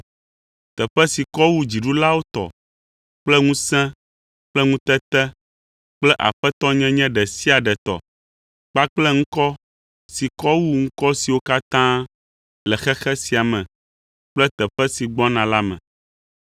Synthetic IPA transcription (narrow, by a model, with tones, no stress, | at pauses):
t̪ɛ˨ɸɛ˦si˨kɔ˦wu˦d͡ʑi˨ɖu˦la˦wo˦t̪ɔ̰˨ | k͡plɛ˦ŋũ˦sɛ̃˦ | k͡plɛ˦ŋũ˦t̪ɛ˦t̪ɛ˦ | k͡plɛ˦ʔa̰˨ɸɛ˦t̪ɔ˦ɲɛ̃˦ɲɛ̃˦ɖɛ˨si˦a˨ɖɛ˨t̪ɔ̰˨ | k͡pa˦k͡plɛ˦ŋ̩̃˦kɔ˦ | si˨kɔ˦wu˦ŋ̩̃˦kɔ˦si˨wo˦ka˦t̪ã˦ | lɛ˨xɛ˦xɛ˦si˨a˨mɛ̃˨ | k͡plɛ˦t̪ɛ˨ɸɛ˦si˨ɡ͡bɔ˦nã˨la˦mɛ̰̃˨